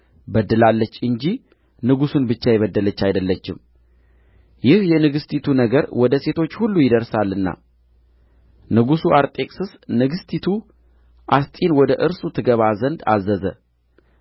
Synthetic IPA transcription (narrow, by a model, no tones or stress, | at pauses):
bəd̪ːɨlalːət͡ʃːɨɲd͡ʒi | nɨɡusunbɨt͡ʃːajɛβəd̪ːələt͡ʃːajd̪əlːət͡ʃːɪm | jɪhjɛnɨɡɨst̪ʰit̪ʰunəɡəɾwɔd̪əse̞t̪ʰo̞t͡ʃːhulːujɪd̪əɾsalːɨnːa̰ | nɨɡusuʔaɾt̪ʼe̞kʼsɨsnɨɡɨst̪ʰit̪ʰu | ʔast̪ʼinwɔd̪əʔɨɾsut̪ʰɨɡəβazənd̪a̰zːəzə̰